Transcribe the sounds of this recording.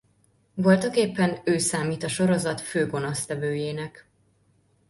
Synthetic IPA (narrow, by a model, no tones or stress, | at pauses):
vo̞lt̪ɒkeːpːɛnøːsaːmiːt̪ɒʃo̞ɾo̞zɒt̪føːɡo̞nost̪ɛvøːjeːnɛk